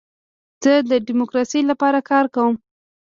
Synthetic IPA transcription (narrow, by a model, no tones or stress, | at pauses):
z̥əd̪əɖimokɾɑsijlapɑɾakɑɾkawəm